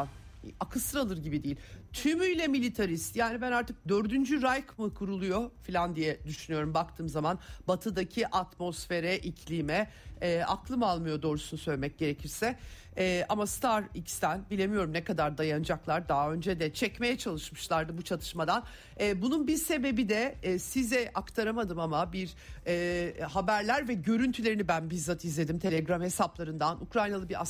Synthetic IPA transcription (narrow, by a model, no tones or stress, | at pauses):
akʰɯsɯɾalˠɯɾɟibid̪ijːilʲt̪ʰymyjlʲɛmilʲit̪ʰaɾist̪jaːnibænaɾt̪ʰɯk̚d̪ø̞ɾd̪ynd͡ʒyɾajkmɯkʰuɾulˠujo̞filʲand̪ijɛd̪yʃynyjo̞ɾumbakt̪ʰɯːmzamanbat̪ʰɯd̪acʰiʔat̪mo̞sfe̞ɾɛʔicʰlʲimɛː | a̰klˠɯmalˠmɯjo̞d̪o̞ːɾusunusøjlʲmɛc̚ɟe̞ɾecʰiɾsɛ | ʔamast̪ʰaɾicst̪ʰænbilʲe̞mijo̞ɾumnɛkad̪aɾd̪ajanɯd͡ʒaklˠaɾd̪aɦø̞nd͡ʒɛd̪ɛt͡ʃʰɛcme̞jɛt͡ʃʰalˠɯʃmɯʃlˠaɾd̪ɯbut͡ʃʰalˠɯʃmad̪an | ɛːbununbiɾse̞be̞bid̪ɛːsizɛʔakt̪ʰaɾamad̪ɯmamabiɾ | ɛːhabæɾlʲæɾvɛɟø̞ɾynt̪ʰylʲe̞ɾinibænbizat̪ʰizlʲe̞d̪imt̪ʰe̞lʲeɡɾamhe̞saplˠaɾɯnd̪anukɾajnalˠɯbiɾa